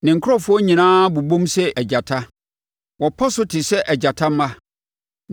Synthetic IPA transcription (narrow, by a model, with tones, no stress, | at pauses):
nɪ̃˨ŋ̩˨kʰʊ˦ɔ˦fʊ˦ɔ˦ɲĩ˨nãː˦bu˨bõ˦msɛ˦ʔɛ˨d͡ʑa˨tʰa˦ | wɔ˨pʰɔ˦sʊ˦tʰɪ˨sɛ˦ʔɛ˨d͡ʑa˨tʰa˦mã˦